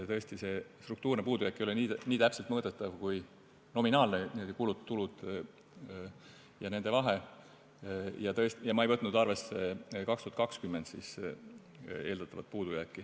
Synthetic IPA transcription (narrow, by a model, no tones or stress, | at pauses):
t̪ɤ̞est̪ise̞st̪ruk̚t̪uːrnepuːd̪ujækːˑejoleniniːt̪æpselt̪mɤːd̪et̪ːˑɑvkuj | no̞minɑːlneniod̪̥ikulut̪ːulud̪̥ | jɑne̞nd̪̥e̞vɑɦe | jɑt̪ɤ̞est̪jɑmɑejvɤt̪nud̪ɑrve̞sːekɑkst̪uhɑt̪kɑkskymːend̪sḭːs | e̞ːld̪ɑt̪ːˑɑvɑt̪̚puːd̪̥ujæːkːi